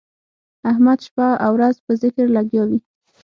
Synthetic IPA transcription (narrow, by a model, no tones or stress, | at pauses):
ahmad̪ʃpɑawɾazpəzɪkɾlaɡjɑwi